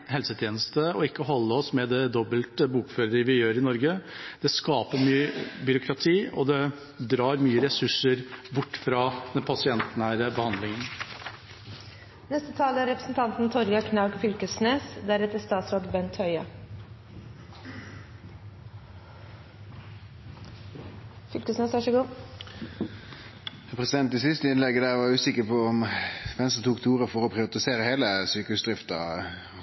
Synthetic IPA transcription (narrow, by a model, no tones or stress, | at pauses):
ɦɛlsət̪ʰjeːnəst̪əɔɪkːəɦɔlːəɔsmɛd̪ɛd̪ɔbəlt̪əbuːkføːɾəɾəʋɪjøːɾɪnɔɾɡəd̪̥ɛskɑːpəɾmyːəbʏɾʊkʰɾɑt̪ʰiːɔ̰d̪ɛ | d̪ɾɑːɾmyːəɾɛsʉʂəɾbʊʈːfɾɑd̪ɛnpʰɑsɪɛnt̪næːɾəbəhɑnd̪lɪŋən | nɛst̪ət̪ʰɑːləæɾɛpɾə̥sn̩t̪ʰɑnt̪n̩t̪ʰɔɾjɑkʰnɑʉɡfʏlkəsneːsd̪æɾɛt̪ːəst̪ɑːt̪sɾoːd̪bɛnt̪hœʏɑ | fʏlkəsneːsʋæʂəɡuː | ɛpʰʁɛsɪd̪ɛnt̪ɪsɪst̪əɪnlɛɡːəd̪æːʁʋɑjʉːsɪkəpʰɔɔmfɛnst̪ət̪ʰuːkt̪ʰuːʁəfɔʁɔpʰʁɪʋɑt̪ɪseːʁəheːləsyːkəʉsd̪ʁɪft̪ɑ̰